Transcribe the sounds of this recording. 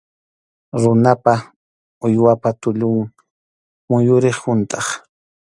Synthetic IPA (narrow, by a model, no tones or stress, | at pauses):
ɾʊnapa | ʊjwapat̪ʊʎʊŋ | mʊjʊɾɪχhʊnt̪ɑχ